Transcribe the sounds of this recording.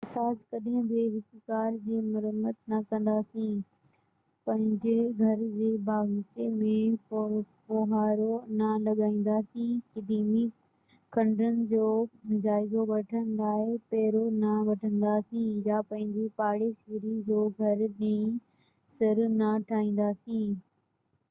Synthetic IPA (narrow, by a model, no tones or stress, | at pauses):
ɐsaːskɐɗɦɪ̃bɪɦɪk̪kaːɾd͡ʑiːmɐɾəmət̪nɐkɐ̃n̆d̪aːsĩ | pɐ̃ɦɪ̃ɲd͡ʑeɡʱɐɾd͡ʑeːbaːɡt͡ɕemẽ | poɦaːɾonɐlɐɠaːĩːn̆d̪aːsĩkɪd̪iːmi | kʰɐ̃ɳɖənɪ̆d͡ʑoːd͡ʑaːɪzoʋɐʈʰənɪd̪aːepeːɾonɐʋɐʈʰə̃nd̪aːsĩjapɐ̃ɦɪ̃ɲd͡ʑipaːɽesiːɾid͡ʑoːɡʱɐɾɗẽ | sɪɾnɐʈʰaːĩːn̆d̪aːsĩː